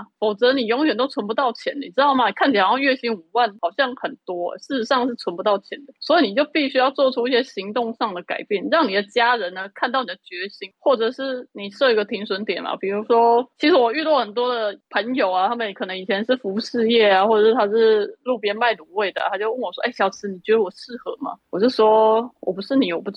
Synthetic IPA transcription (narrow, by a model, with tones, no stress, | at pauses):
fo˨˩ʊt͡sɤ˧˥ni˨˩jo˧˥ŋjɥɛ˨˩nt̪o˥ʊt͡sʰwə˧˥npu˧t̪ɑ˥˩ʊt͡ɕʰjɛ˧˥ni˨˩ʈ͡ʂɻ̩˥t̪ɑ˥˩ʊma˩ni˨˩kʰa˥˩nt͡ɕʰi˨˩˨jɥɛ˥˧ɕi˧˥nu˨˩wa˥˩nxɑ˨˩ʊɕjɑ˥˧˩ŋxə˨˩nt̪wɔ̰˥˩ʂɻ̩˥˩˧ʂɑ˥˧ŋʂ̬̩˥˩t͡sʰə˧˥npu˧t̪ɑ˥˩ʊt͡ɕʰjɛ˧˥nd̪ə˩swɔ˧˥i˨˧˥ni˨˩t͡ɕjo˥˧ʊpi˥˩ɕy˥jɑ˥˧ʊt͡swɔ˥˧ʈ͡ʂʰu˥i˥˩ɕjɛ˥ɕi˧˥ŋt̪ʊ˥˧ŋʂɑ˥˩ŋd̪ə˩ka̰˨˩ɪpjɛ˥˩nɻɑ˥˩ŋni˨˩d̪ə˦t͡ɕja˥ɻə˧˦nə˧kʰa˥˧nt̪ɑ˥˩ʊni˨˩d̪ə˩˧t͡ɕɥɛ˧˥ɕi˧˥ŋxwɔ˥˩ʈ͡ʂɤ˨˩ʂɻ̩˥˩ni˨˩ʂɤ˥˩i˧˥ɡə˧t̪ʰi˧˥ŋswə˧˥nt̪jɛ˨˩nmɐ̰˨˩pi˨˩ɻu˧˥ʂwɔ˥t͡ɕʰi˧˥ʂɻ̩˧˥wɔ˨˩y˥˧t̪wɔ˥˩xə˨˩nt̪̬wɔ˥d̪ə˨pʰə˧˥njo˨˩ʊa˩t̪ʰa˥mə˨nkʰɤ˨˩nɤ˧˥ŋi˨˩t͡ɕʰjɛ˧˥nʂɻ̩˥˩fu˧˥ʂɻ̩˥˧jɛ˥˩a˨˩xwɔ˥˩ʈ͡ʂɤ˨˩ʂɻ̩˥˩t̪ʰa˥ʂɻ̩˥˧lu˥˧˩pjɛ˥nma˥˩ɪt̪u˧˥we˥˩ɪd̪ə̰˩t̪ʰa˥t͡ɕjo˥˧ʊwə˥˩nwɔ˨˩ʂwɔ˥ʔe˥˩ɪɕjɑ˨˩ʊt͡sʰɹ̩˧˦ni˨˩t͡ɕɥɛ˧˥d̪ə˧wɔ˨˩ʂɻ̩˥˩xɤ˧˥ma̰˨wɔ˨˩t͡ɕjo˥˩ʂwɔ˥wɔ̰˨˩pu˧˥ʂɻ̩˥˩ni˨˥jo˨˩pu˥˩